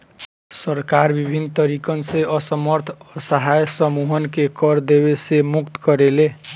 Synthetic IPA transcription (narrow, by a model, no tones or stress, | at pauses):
sʌɾkaɾbibʱinːt̪ʌɾikʌnseʔʌsʌmʌɾt̪ʰʌsʌɦajsʌmuɦʌnkekʌɾd̪ebesemukt̪kʌɾele